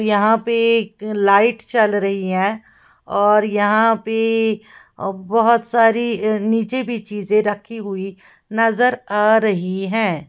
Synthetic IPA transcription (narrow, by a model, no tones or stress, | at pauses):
jɐɦãpeklaːɪʈt͡ʃəlɾɐɦiɦɛ̃ː | ɔːɾjɐɦãpe | bɐɦʊt̪saːɾiniːt͡ʃebʱit͡ʃiːzẽɾɐkʰːiɦʊi | nɐzəɾaːɾɐɦiɦɛ̃ː